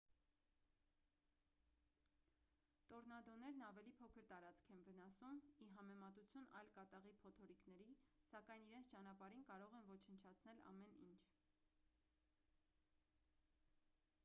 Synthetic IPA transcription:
t̪ɔɾnɑd̪ɔnɛɾnɑvɛlipʰɔkʰəɾt̪ɑɾɑt͡skʰɛnvən̪ɑsumiɦɑmɛmɑt̪ut͡sʰjunɑ̰jlkɑt̪ɑʁipʰɔt̪ʰɔɾiknɛɾisɑkɑjniɾɛnt͡sʰt͡ʃɑn̪ɑpɑɾinkɑɾɔʁɛnvɔt͡ʃʰənt͡ʃʰɑt͡sʰnɛlɑ̰mɛnint͡ʃʰ

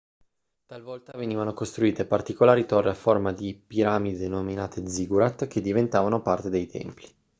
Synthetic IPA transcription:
t̪alvɔlt̪aveniːvanokost̪ɾuiːt̪epart̪ikolaːɾit̪orːeaformad̪ipiɾaːmid̪enominaːt̪ʰed̪ziɡuɾat̪k̟ed̪ːivent̪aːvanopart̪ed̪ejt̪ʰɛ̰mpli

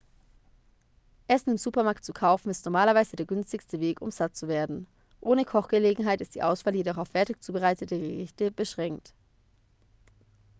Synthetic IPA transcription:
ʔɛsn̩ɪmzuːpɐmaɐk̚tt͡sukʰaʊfn̩ɪstnɔɐmaːlɐvaɪzədeːɐɡʏnstɪçstəveːkʊ̰mz̥at̚t͡suveːɐdn̩ | ʔoːnəkʰɔχɡ̥əleːɡŋ̩ɦaɪtɪst̚d̥iːʔaʊsfaːljedɔχaʊfɛɐtɪçt͡suːbəʁaɪtətəɡəʁɪçtəbəʃʁ̥ɛŋkt

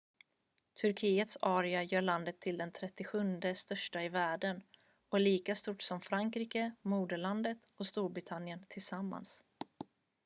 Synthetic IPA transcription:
t̪ʰɵɾkʰiːət̪sɑːɾɪajœːɭand̪ət̪ʰːɪld̪ɛnt̪ʰɾɛt̪ːɪɧɵnd̪əst̪œʂʈaɪvæːɖən | ɔæɭiːkast̪uʈːsɔmfɾaŋkɾiːkəmuːd̪əɭand̪ət̪ɔst̪uːɾbɾɪt̪ʰanjənt̪ʰɪlsamːa̰ns

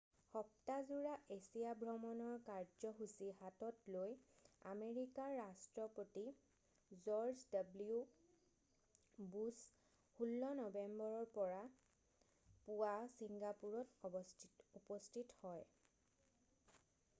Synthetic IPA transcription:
xɔp̚tazuɹaʔesijabʱɹɔmɔnɔɹkaɹd͡ʒɔɦusihatɔtloja̰meɹikaɹːastɹɔpoti | zɔɹzdabliu | bus | xulːɔnɔbembɔɹɔɹpɔɹa | puwasiŋɡapuɹɔt | upɔstʰithɔj

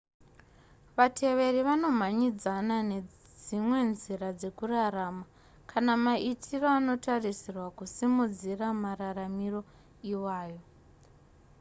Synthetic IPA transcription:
ʋatʰe̞ʋe̞riʋano̞m̤aɲid͡zanane̞ | d͡zimwe̞nzirad͡ze̞kurarama | kʰanamaʔitʰiroano̞tarisirwakusimud͡ziramararamiro̞ | iwaːjo̞

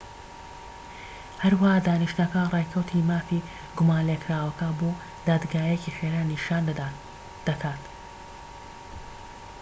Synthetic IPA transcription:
hɐɾwahaːd̪aːniʃt̪nɐkɐrajkʰɐwt̪ʰimaːfi | ɡʊmaːnlekʰɾaːwɐkɐboː | d̪̥aːd̪ɡaːjeciχeɾaːniʃaːnd̪ | d̪̥ɐkʰaːt̪

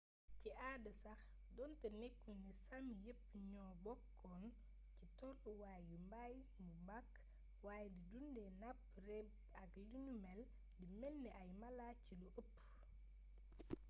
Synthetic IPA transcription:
ciaːdəsɐx | dɔntɐnekːunisamjəpːɲɔːbɔkʰːɔn | citɔruwaːjumbaj | mubak | waːjɛdidundɛnɐp̚rɛb | ɐklunumɛl | dimɛlːiʔɐjmɐlaciluʔəpː

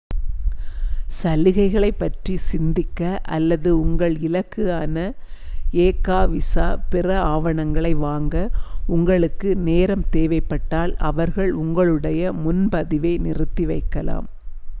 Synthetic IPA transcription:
sɐlɪɣɐɪɣɐɭɐɪpːɐʈrisɪnd̪ɪkːɐʔɐ̰lːɐðɯʊŋɡɐɭɪlɐkːɯaːnɐ | eːkːaːʋɪsaːpɪrɐaːʋɐɳɐŋɡɐɭɐɪʋaːŋɡɐʊŋɡɐɭɯkːɯneːɾɐmt̪eːʋɐɪpːɐʈːaːlɐ̰ʋɐɾɣɐɭʊŋɡɐɭɯɽɐjɐmʊnpɐðɪʋɐɪnɪrɯt̪ːiʋɐɪkːɐla̰ːm

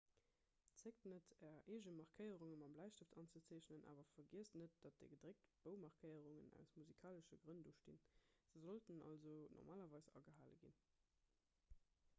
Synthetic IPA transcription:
t͡sek̚tnətʰɛɐʔeːʒəmɑʁkʰəɪəʁuŋəmɑmblæɪʃtəftʰɑnt͡sət͡sæːɕnənʔa̰ːvɐfɐɡiəstnət̚d̥ɑt̚d̥əɡədʁek̚tb̥əʊmɑʁkʰəɪəʁuŋənæ̰ʊsmuzikʰaːləʃəɡʁənduʃtḭnz̥əzoltənɑ̰lzonʔɔ̰ʁmaːlɐvɑɪsɑ̰ɡəɦaːlə̰ɡḭn

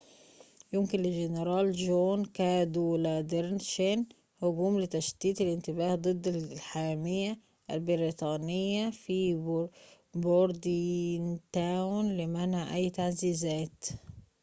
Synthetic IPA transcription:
jʊmkɪnlɪɡɪneɾˤɑːld͡ʒoːnkæːd̪ulæːd̪eɾnʃen | hʊɡuːmlɪt̪æʃt̪iːt̪ɪlɪnt̪ɪbæːhd̪ˤɨd̪ːɪħamɪjːa | ʔælbɪɾit̪ˤɑːnɪjːafi | boɾd̪int̪æːwnlɪmænʕʔæjːt̪aʕziːzæːt̪

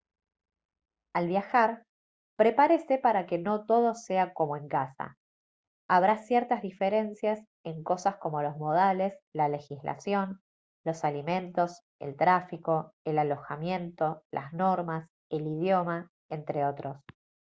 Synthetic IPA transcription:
alβjaxaɾ | pɾe̞paɾesepaɾake̞no̞t̪o̞ðo̞se̞ako̞moe̞ŋkasa̰ | aβ̞ɾasjɛɾt̪azðifeɾe̞nsjas | e̞ŋko̞sasko̞mo̞lo̞zmo̞ð̞ale̞slale̞xislʔa̰sjo̞n | lo̞salimẽ̞nt̪o̞s | e̞̰lt̪ɾafiko̞elalo̞xamje̞nt̪o̞lʔa̰zno̞ɾmas | elið̞jo̞ma | e̞nt̪ɾe̞o̞t̪ɾo̞s

